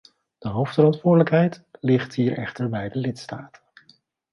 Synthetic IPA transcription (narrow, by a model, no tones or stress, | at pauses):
d̥əɦowftfəɾɑntʋʊːɹdələkɦɛjtlɪχtɦiːɹʔɛ̰χtəɹbɛjdəlɪtstaːtə